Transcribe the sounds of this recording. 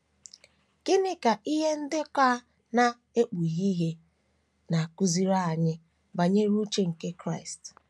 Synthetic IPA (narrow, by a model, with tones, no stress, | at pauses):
ke˦nɪ˦ka˨ʔi˦ɦe˦n̩˦dɪ˦kʷa˦ | na˨ | e˦k͡pu˨ɣi˦ɦe˦ | na˨ku˦zi˦ɾa˦a˨ɲɪ˦ | ba˨ɲe˦ɾu˦t͡ʃe˦ŋ̩˨ke˦kɾa˦ɪ˨st